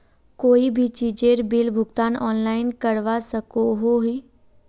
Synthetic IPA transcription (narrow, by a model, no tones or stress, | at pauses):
koːibʱit͡ʃiːd͡ʒeɾbɪlbʱʊɡt̪aːnɔːnlaːɪnkəɽʋasəkoɦoɦiː